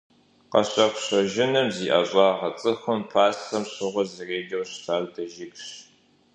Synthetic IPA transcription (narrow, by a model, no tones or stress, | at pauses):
qɐ̰ɕʼɐxʷɕɐʒɪnɨmziːʔɐ̰ɕʼɑːʁɐt͡sʼɨxɐmpʰaːsxɐmɕʊʁʷɐzɨreːɡʲɐwɕtʰaːrdɐʒɪkɕ